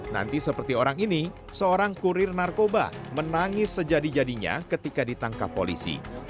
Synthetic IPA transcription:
na̰nt̪isəpərt̪ioɾaŋini | səoɾaŋkuɾɪrnarkoba̰mənaŋɪsːəd͡ʒadid͡ʒadiɲa̰kət̪ikadit̪aŋka̰po̰lḭsḭ

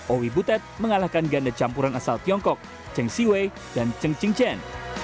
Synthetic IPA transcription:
ʔowibut̪ɛt̪̚məŋalahkanɡandat͡ʃampuɾanasalt̪iɔŋkɔk̚ | t͡ʃəŋsiwe | d̥ant͡ʃəŋt͡ʃiŋt͡ʃɛn

